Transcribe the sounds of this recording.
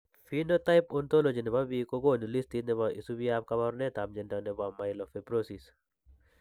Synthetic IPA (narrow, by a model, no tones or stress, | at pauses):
finotajpɔnt̪olod͡ʒinɛbabikoɡonilist̪inɛβaʔisubijap̚kaβaɾnet̪amd͡ʒɛndanɛbamajlɔfepɾosis